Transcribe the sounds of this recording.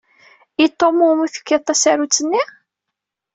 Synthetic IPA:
it̪ˤːomːumuθə̥kːət̪ˤːæsæɾut͡sːənːi

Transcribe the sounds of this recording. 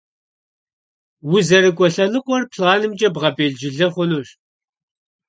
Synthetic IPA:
wʊzɐɾɨkʷʼɔɬɐnɨqʷʼɔrpʰɬaːnɨmd͡ʒʼɐbʁɐbeːɮd͡ʒɪɮɐχʷʊnuːɕ

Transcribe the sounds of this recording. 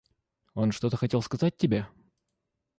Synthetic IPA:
o̞nʂt̪o̞t̪əxɐtʲelˠskɐzat̚ʲtʲːɪbʲe

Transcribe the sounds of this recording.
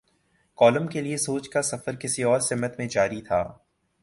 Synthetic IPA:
kɔːləmkeliesoːt͡ʃkasɐfəɾkɪsiɔːɾsɪmət̪mẽd͡ʒaːɾit̪ʰaː

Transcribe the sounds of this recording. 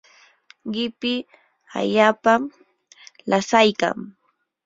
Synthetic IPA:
ɢɪpɪ | a̰ʎaːpa | lasajka̰ŋ

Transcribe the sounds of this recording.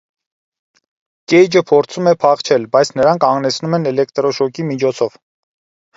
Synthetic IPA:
kɛjd͡ʒəpʰɔɾt͡sʰumɛpʰɑχt͡ʃʰɛlbɑjt͡sʰnəɾɑŋkʰɑŋɡnɛt͡sʰnumɛnɛlɛkt̪ɾɔʃɔkimit͡ʃʰɔt͡sʰɔv̥

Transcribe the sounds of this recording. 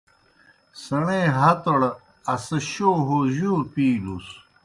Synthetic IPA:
sɐɳẽɦɐt̪oɽ | ɐsɐɕoːɦoʑuɾpiːlus

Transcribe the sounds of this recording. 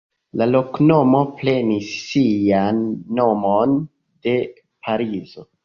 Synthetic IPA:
lalo̞kno̞mo̞ple̞nisːijanːo̞mo̞n | d̥e̞ | pʰaɾizo̞

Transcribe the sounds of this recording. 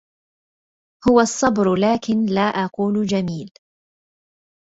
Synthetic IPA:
hʊwasˤːɑbɾlaːkɪnlaːʔɑquːld͡ʒamiːl

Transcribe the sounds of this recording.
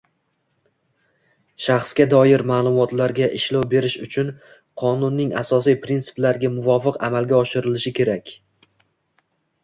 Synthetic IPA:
ʃaχsɡʲad̪ɒjɪɾmaːlˠʊmɒt̪laɾɡʲaʔɪʃlawbe̞ɾɪʃʊt͡ʃʰʊn | qʰɒnʊnːɪŋa̰sɒs̬ijpʰɾint̪sɪ̥plaɾɡʲamʊvɒfɨqa̰malˠɡʲaɒʃɪɾɪlɪʃɪkʲʰe̞ɾakʲ

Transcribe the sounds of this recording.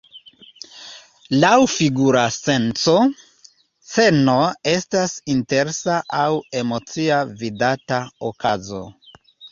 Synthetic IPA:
lawfiɡuɾase̞nt͡so̞ | se̞no̞e̞stasinte̞ɾsaʔawe̞mo̞t͡siavidataokazo̞̰

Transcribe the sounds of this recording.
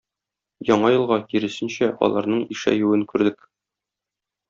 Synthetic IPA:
jɒɴɑjɤ̆lˠʁɑkiɾɘ̆sɘ̆nɕæʔɒ̰lˠɑɾnɤɴiʃæ̰jʉwɘŋkʉɾd̪ɘk

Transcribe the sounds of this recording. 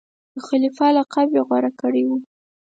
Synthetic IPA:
d̪əxalifɑlaqɑbjeɣwaɾakəɽewu

